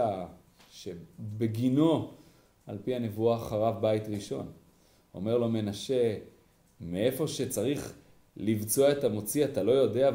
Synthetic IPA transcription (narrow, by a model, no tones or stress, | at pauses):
a | ʃebe̞ɡino̞ | alpiane̞vuaχaʁavbait̪ʁiʃo̞n | o̞̰me̞ʁlo̞me̞naʃe̞ | meefo̞ʃe̞t͡saʁiχ | livt͡so̞aetamo̞t͡siat̪alo̞jo̞dea